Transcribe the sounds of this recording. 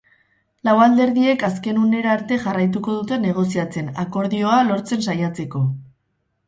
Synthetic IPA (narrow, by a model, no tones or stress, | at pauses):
lawald̪e̞ɾðie̞kaske̞nune̞ɾaːɾt̪e̞ʝarajt̪uko̞ðut̪e̞ne̞ɣ̞o̞s̬iat͡se̞nako̞ɾðio̞alo̞ɾt͡se̞nsajat͡se̞ko̞